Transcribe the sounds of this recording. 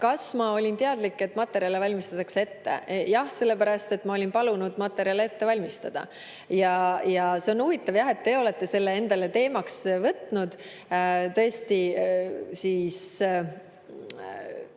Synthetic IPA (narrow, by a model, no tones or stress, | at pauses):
kɑsmɑo̞lʲint̪eɑd̪̥likːe̞t̪ːˑmɑt̪ːˑe̞ɾijɑlevɑlʲmist̪ɑt̪ːˑɑkse̞t̪ːe̞̰jɑhse̞lːe̞pæɾɑst̪e̞t̪ːˑmɑo̞lʲinpɑlunud̪̥mɑt̪ːˑe̞ɾjɑlee̞t̪ːe̞vɑlʲmist̪ɑd̪̥ɑ̰ | jɑjɑse̞o̞nuvit̪ːˑɑvjɑɦe̞t̪̚ːe̞o̞le̞t̪ːˑe̞se̞lːe̞e̞nd̪̥ɑle̞t̪e̞ːmɑksvɤt̪nud̪̥ | t̪ɤest̪i | siːs